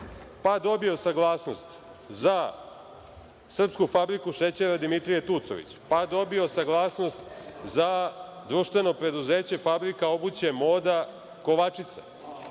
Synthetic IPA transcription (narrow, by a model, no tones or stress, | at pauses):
pad̪o̞bio̞saɡlˠaːsno̞st̪ | za | sr̩pskufabɾikuʃet͡ɕeɾad̪imit̪ɾijet̪ut̪soʋḭt͡ɕpad̪o̞bio̞saɡlˠaːsno̞st̪zad̪ɾuʃt̪ʋe̞no̞pɾe̞d̪uze̞ːt͡ɕe̞fabɾikao̞but͡ɕemo̞ːd̪a | ko̞ʋat͡ʃit̪sa